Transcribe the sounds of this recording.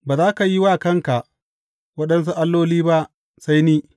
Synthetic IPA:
baː˨zaː˦ka˨ji˦waː˦˨kɐ˦ŋka˨ʔ | wɐ˦ɗɐ˦ns̬u˦ʔa˦lːoː˦liː˦ba˦ʔ | sa˦jniː˦

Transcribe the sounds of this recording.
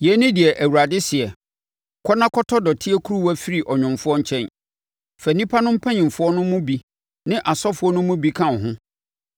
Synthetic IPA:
jɛ˨˦nɪ̃˦dɪ˨ɛ˨ʔæ˨wu˨ɾa˨dɪ˦sɪ˨ɛ˨ | kʰɔ˦nã˦kʰɔ˦tʰɔ˦dɔ˨tʰɪ˦ɛ˦kʰu˦ɾu˦wæ˦fi˦ɾi˨ʔɔ˨ɲᶣʊ̃˨mfʊ˦ɔ˦ɲ̩˦t͡ɕʰɛ̃˦n | fæ˨nĩ˦pʰa˦nʊ̃˦m̩˦pʰɛ̃˦ɲɪ̃˨m˨fʊ˦ɔ˦nʊ̃˦mʊ̃˦bi˦ | nɪ̃˦ʔa˨sɔ˦fʊ˨˦ɔ˦nʊ̃˦mʊ̃˦bi˦kʰã˦˨ɦʊ̃˦

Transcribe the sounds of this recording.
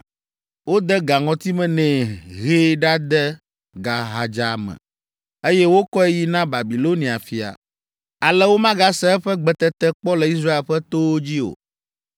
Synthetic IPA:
wo˦d̪ɛ˦ɡa˨ŋɔ̃˨t̪i˦mɛ̃˦nɛ̃˨ɦeː˦ɖa˦d̪ɛ˦ | ɡa˨ɦa˨d͡ʒa˨mɛ̰̃˨ | e˦jɛ˦wo˦kɔ˦e˦ji˦nã˦ba˨bi˨lo˦nĩ˨a˨fi˨a̰˨ | a˨lɛ˦wo˦mã˦ɡa˦sɛ˦ɛ˦ɸɛ˦ɡ͡bɛ˨t̪ɛ˦t̪ɛ˦k͡pɔ˦lɛ˨i˦s̬ɾa˦e˨lɸɛ˦t̪o˦wo˦d͡ʑi˦o̰˨

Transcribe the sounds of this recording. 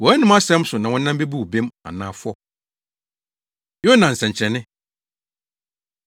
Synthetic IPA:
wɔ˨˦ɛ˦nɪ̃˦ma˦sɛ̃˦m˦sʊ˨nã˨wɔ̃˦nã˦m˦be˦bu˦˨bẽ˦ma̰˨nãː˨˦˨fʊ˦ɔ˦ | jo˦nã˨n̩˨sɛ̃˨ɲ˨t͡ɕʰɾɛ˨nɪ̃˦

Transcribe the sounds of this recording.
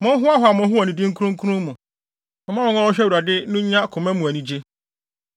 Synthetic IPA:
mʊ̃˦ɦʊ˦a˦ɦʊ˨a˨mʊ̃˨˦ɦʊ˦ɔ˨nĩ˨dɪ˦ŋ̩˦kʰu˦ɾũ˦ŋ̩˦kʰu˦ɾũ˦mʊ̃˨ | mʊ̃˨mã˦ɾʊ̃˨˦ã˦wɔ˦ɕᶣɛ˦wu˨ɾa˨dɪ˦nʊ̃˦ɲã˦kʰʊ˨mɛ̃˦mũ˨æ˨nĩ˨d͡ʑe˦

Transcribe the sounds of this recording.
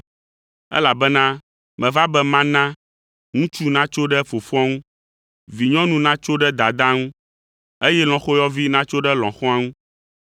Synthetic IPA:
ɛ̰˦la˨bɛ˦nã˦ | mɛ̃˨va˦bɛ˦mã˦nã˦ | ŋũ˦t͡ʃu˦nã˦t͡ʃo˦ɖɛ˦fo˨fã˦ŋũ˦ | vi˨ɲɔ̃˦nũ˦nã˦t͡ʃo˦ɖɛ˦d̪a˨d̪ã˦ŋũ˦ | e˦jɛ˦l̃ɔ̃˨xo˦jɔ˦vi˦nã˦t͡ʃo˦ɖɛ˦lɔ̃˨xɔ̃˦a˦ŋũ˦

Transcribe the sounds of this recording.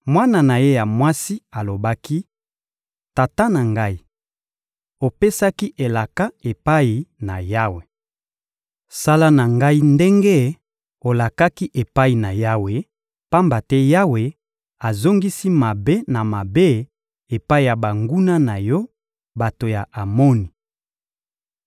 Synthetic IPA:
mwa˦na˨na˨je˦ja˨mwa˦si˦a˨lo˨ba˦ki˦ | ta˨ta˦na˨ŋɡa˦i˦ | o˨pe˦sa˦ki˦ʔe˨la˨ka˦e˨pa˦i˨na˨ja˦we˨ | sa˦la˦na˨ŋɡa˦i˦nde˦ŋɡe˦ | o˨la˨ka˦ki˦ʔe˨pa˦i˨na˨ja˦we˨ | pa˦mba˨tɛ˦ja˦we˨ | a˨zo˦ŋɡi˦si˦ma˨be˦na˨ma˨be˦ | e˨pa˦i˦˨ja˨ba˨ŋɡu˦na˦na˨jɔ˦ | ba˨to˨ja˨ʔa˨mɔ˦ni˨

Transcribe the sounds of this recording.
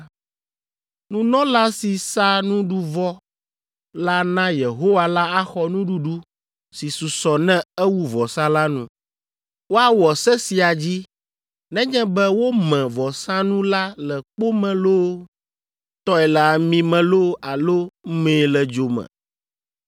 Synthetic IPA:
nũ˦nɔ̃˦la˦si˨sa˦nũ˦ɖu˦vɔ˦ | la˦nã˦je˨ɦo˦wa˦la˦a˦xɔ˦nũ˦ɖu˦ɖu˦ | si˨su˨sɔ˨nɛ̃˦ɛ˦wu˦vɔ˨sã˦la˦nṵ̃˦ | wo˦a˦wɔ˨sɛ˦si˨a˨d͡ʑi˦ | nɛ̃˦ɲɛ̃˦bɛ˦wo˦mɛ̃˨vɔ˨sã˦nũ˦la˦lɛ˨k͡po˦mɛ̃˨lo˦ | t̪ɔ˦ɛ˨la˨mĩ˦mɛ̃˨lo˦a˨lo˦mẽː˨˦lɛ˨d͡ʒo˨mɛ̰̃˨

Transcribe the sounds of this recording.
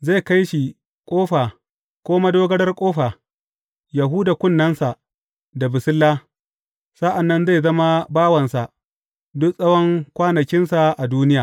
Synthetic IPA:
za˦˨ka˦jʃi˨ | kʷʼoː˦ɸaː˨ | kʷoː˦ma˦doː˦ɡɐ˦ɽɐ˦rkʷʼoː˦ɸaː˨ | ja˨ɦu˦da˨kʷʊ˦˨nːɐ˦nsa˨ʔ | da˨bɪ˨sɪ˦lːaː˦ | sa˦ʔa˨nːɐ˦nza˦˨jzɐ˦ma˦baː˦wɐ˨nsa˨ʔ | dʊ˦ksʼɐ˦wɔ˦ŋkʷaː˦nɐ˨kʲɪ˦nsa˨ʔa˨duː˦nɪ˦jaː˨

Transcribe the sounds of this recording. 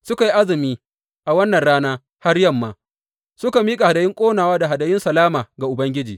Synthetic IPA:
sʊ˦ka˨ji˦ʔa˦zɪ˨miː˦ | ʔa˨wɐ˦nːɐ˨nɽaː˦naː˦ | ha˦ɽjɐ˦mːaː˨ | sʊ˦ka˨miː˦kʼa˨ha˨da˨jɪ˦ŋkʷʼoː˦naː˨waː˦da˨ɦa˨da˨jɪ˦nsɐ˨laː˦maː˨ɡa˨ʔʊ˨bɐ˦ŋɡʲɪ˦d͡ʒiː˨

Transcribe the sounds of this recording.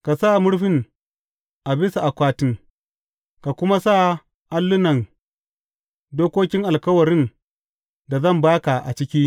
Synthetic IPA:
ka˨sa˦˨mʊ˦ɽɸɪ˨n | ʔa˨bɪ˦sa˨ʔa˨kʷaː˦tɪ˦ŋ | ka˨kʷʊ˦ma˦sa˦˨ | ʔa˦lːʊ˦nɐ˨n | doː˦kʷoː˦kʲɪ˦ŋʔa˨lkɐ˦wɐ˨ɾɪ˦n | da˨zɐ˦˨mbaː˦ka˨ʔa̰˨t͡ʃɪ˦kʲi˦

